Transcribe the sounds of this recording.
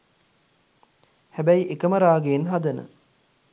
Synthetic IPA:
hæbæjiʔekəməɾaːɡeːnɦad̪ənə̰

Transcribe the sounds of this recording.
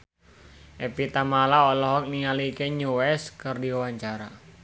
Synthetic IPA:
ʔepit̪amalaɔlɔɦɔk̚niŋaliːkeɲuɛskərdiwaɲt͡ʃaɾa

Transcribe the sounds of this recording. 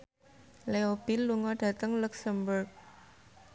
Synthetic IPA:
leob̥ilːuŋɔɖ̥ä̤t̪əŋluksəmbʊrk̚

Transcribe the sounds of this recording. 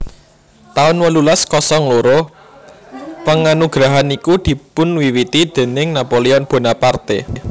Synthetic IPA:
t̪aʊnwəlulaskɔsɔŋloɾo | pəŋanuɡ̥ɾaɦanikud̪̥i̤pʊnwiwit̪id̪̥e̤nɪŋnapoleɔnb̥o̤napart̪e

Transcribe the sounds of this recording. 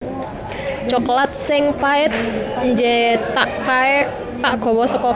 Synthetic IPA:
t͡ʃɔklat̪̚sɪŋpaɪt̪̚ɲd͡ʒɛt̪aʔkaɛ | t̪aʔɡ̥ɔ̤wɔsɔkɔ

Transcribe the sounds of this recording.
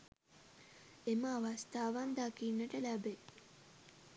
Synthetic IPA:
eməːʋɐst̪aːʋand̪akiːnːəʈəlæbe

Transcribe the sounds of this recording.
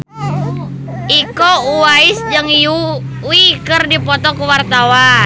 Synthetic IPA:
ikouaisd͡ʒəŋju | wikərdipɔt̪ɔkuwart̪awa

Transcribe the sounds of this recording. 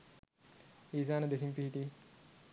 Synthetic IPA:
iːs̬aːnɐd̪esimpiɦit̪i

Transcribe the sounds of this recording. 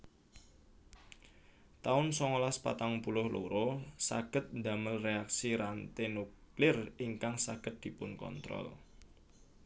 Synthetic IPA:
t̪aʊnsɔŋolaspa̰t̪aŋpulʊhloɾosa̰ɡ̥ə̤t̪̚nd̪a̤məlreak̚siɾant̪enuklɪriŋkaŋsaɡ̥ə̤t̪̚d̪̥i̤pʊnkɔ̰nt̪ɾɔ̰l

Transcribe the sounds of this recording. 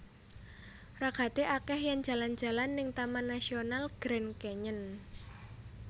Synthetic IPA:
raɡa̤t̪eʔakɛhjaŋ̥d͡ʒ̥ä̤land͡ʒʒ̥ä̤lanːɪŋt̪amanːasionalɡ̥ɾɛnkɛɲən

